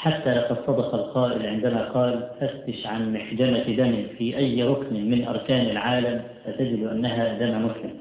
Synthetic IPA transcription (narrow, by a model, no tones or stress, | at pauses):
ħat̪ːalaqɑd̪sˤɑd̪ɑqɑlqɑːʔɪlʕɪnd̪amaqɑːlfast̪ːɪʃʕanmaħd͡ʒamad̪amɪfiʔajːɾˤʊknmɪnʔɑ̰ɾˤkaːnɪlʕaːlamfat̪ad͡ʒɪd̪ʔanːaɦad̪amamʊθhɪm